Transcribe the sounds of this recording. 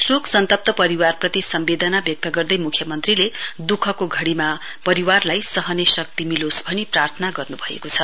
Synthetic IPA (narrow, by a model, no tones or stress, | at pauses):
suksʌnt̪ʌp̚t̪ʌpʌɾiwarprʌt̪isʌmbed̪ʌnabjʌk̚t̪ʌɡʌrd̪ʌjmukʰjʌmʌnt̪riled̪ukʰʌkoɡʱʌɽima | pʌɾiwarlajsʌɦʌnesʌk̚t̪imilosbʱʌniprart̪ʰʌnaɡʌrnubʱʌḛkot͡sʰʌ